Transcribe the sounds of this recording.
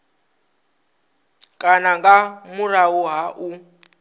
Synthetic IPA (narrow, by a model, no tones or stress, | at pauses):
kʼanaŋɡamurauɦaʔu